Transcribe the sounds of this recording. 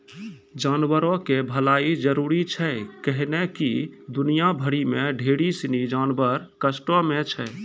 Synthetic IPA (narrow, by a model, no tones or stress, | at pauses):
d͡ʒanbəɾokebʱəlaid͡ʒəɾuɾit͡ʃʰɛkəɦnekid̪unijabʱəɽimeɖʱeɽisinid͡ʒanbəɾkəsʈɔmet͡ʃʰɛ